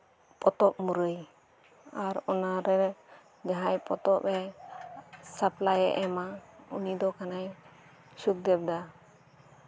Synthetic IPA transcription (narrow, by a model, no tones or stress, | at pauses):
pɔt̪ɔp̚muɾəj | aɾɔnaɾɛ | d͡ʒaɦajpɔt̪ɔpɛ | saplajɛ̰ʔɛmaunid̪ɔkanaj | suk̚d̪ɛb̚d̪a